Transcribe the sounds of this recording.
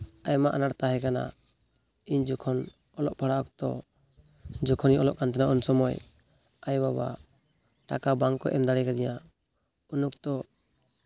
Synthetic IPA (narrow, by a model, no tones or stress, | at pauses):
ajmaʔanaɽt̪aɦɛkana̰ | iɲd͡ʒɔkʰɔn | ɔlɔʔpʰɔɽaɔkt̪ɔ̰ | d͡ʒɔkʰɔniɔlɔʔkant̪ʰɛnaʔunsɔmɔj | ajbaba̰ | ʈakabaŋkɔʔɛmd̪aɽɛkad̪ija | unukt̪ɔ